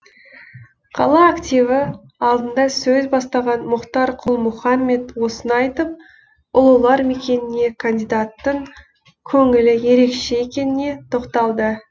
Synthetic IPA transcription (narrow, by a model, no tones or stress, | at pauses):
qʰɑlˠɑːkt̪ʲijvɪ | ɑlˠd̪ənd̪ɑsɵzbɑst̪ɑʁɑnmʊqt̪ɑɾqʰʊlˠmʊχɑmːe̞t̪wo̞sənɑjt̪əp̚ | ʊlˠulˠɑɾme̞kʲe̞nɪne̞kʰand̪ijd̪at̪ːəɴ | kʲʰɵŋɪlɪje̞ɾe̞kʃe̞ekʲe̞nɪne̞t̪ʰo̞qt̪ɑlˠd̪ə